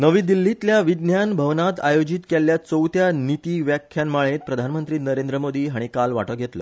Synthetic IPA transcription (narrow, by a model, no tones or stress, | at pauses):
nəʋiːd̪ilːit̪ljaʋid̪njanbʱəʋnat̪ajod͡ʑit̪keljat͡səwt̪janit̪iːʋjakʰːjanmaɭet̪̚pɾəd̪ʱanmənt̪ɾiːnəɾend̪ɾəmod̪iːɦaɽ̃ikalʋaʈəɡʱet̪lə̰ː